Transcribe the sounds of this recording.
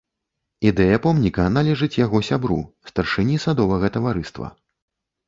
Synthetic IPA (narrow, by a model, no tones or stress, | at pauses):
id̪ɛjɐpɔmnʲikɐnalʲɛʐɨt͡sʲjaɣɔsʲabɾṵst̪ɐrʂɨnʲisad̪ɔvɐɣɐt̪ɐvaɾɨst̪vɐ̰